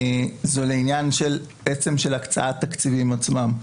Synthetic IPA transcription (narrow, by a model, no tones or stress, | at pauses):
zoleinjanʃel | ʔet͡se̞mʃelakt͡sa̰ʔat̪ːakt͡sivimat͡smam